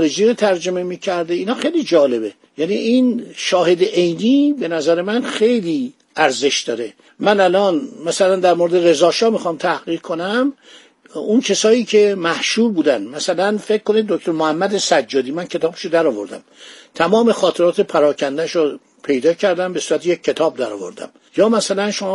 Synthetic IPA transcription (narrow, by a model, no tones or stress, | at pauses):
ɾed͡ʒiːɾot̪ʰæɾd͡ʒo̞me̞miːcʰæɾd̪einhɒːxejlid͡ʒɒːle̞be | jæːniʔinʃɒːhe̞d̪eʔejniːbe̞næzæɾemænxe̞jliː | æɾze̞ʃd̪ɒːɾe̞ | mænælɒːnmæsælænd̪æɾmoɾed̪eɾe̞zɒːʃɒːmixɒmt̪ʰæhɣ̥iːɾkʰonæm | uncʰesɒːjiːcʰe̞mæhʃuːɾbuːd̪ænd̪mæsælænfe̞ck̚kːonid̪̚ːok̚t̪oɾmohæmːæd̪esæd͡ʒːɒːd̪iːmæncʰe̞t̪ɒːbe̥ʃod̪æɾɒːvo̞ɾd̪æ̰m | t̪ʰæmɒːme̞xɒːt̪ʰe̞ɾɒːt̪ʰepʰæɾɒːcʰænd̪æʃo | pʰe̞jd̪ɒːcʰæɾd̪æmbe̞suːɾæt̪ʰejecʰːe̞t̪ʰɒːb̚d̪æɾɒ̰ːvo̞̰ɾd̪æ̰m | jɒːmæsælænʃomː